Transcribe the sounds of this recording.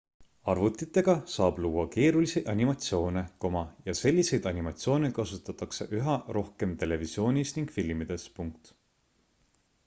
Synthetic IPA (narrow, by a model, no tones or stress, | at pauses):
ɑrvut̪ːˑit̪ːˑe̞ɡ̥ɑsɑːb̥luːwːɑke̞ːɾuliseʔɑnimɑt̪sio̞ːne̞ko̞mɑjɑse̞lʲːise̞jd̪ɑnʲimɑt̪sio̞ːne̞kɑsut̪ːˑɑt̪ːˑɑkse̞̰ʔyɦɑro̞hke̞mt̪e̞le̞visio̞ːnʲisniŋɡ̥filmid̪̥e̞spuŋk̚t̪